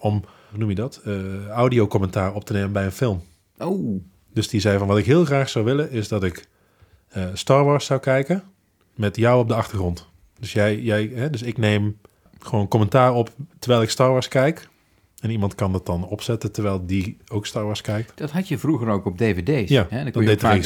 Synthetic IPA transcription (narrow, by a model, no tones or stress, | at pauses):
ɔm | unumjədɑtːawdiowkɔmɛntaːrɔp̚tənejmənbɛjənfɪlˠm | o | d̥ɵsdizɛjvɑnʋɑtɪkɦɪːlˠχraːχsawʋɪləɪzdɑtɪkː | stɑːɹʋɑːɹsawkɛjkən | mɛtjɔwɔb̚dəɑχtəɹχrɔnt | d̥ɵsjɛjjɛjɦɛdɵsɪknejm | χəʋownkɔmɛntaːrɔptəɹʋɛjlˠɪkstɑːɹʋɑːɹskɛjk | ɛnimɑntkɑndɑt̚ɑnɔpsɛtəntəɹʋɛjlˠdiowkstɑːɹʋɑːɹskɛjk̚td̥ɑtɦɑtjəvruɣəɾowkɔb̚devedejjaɛdddejtɪ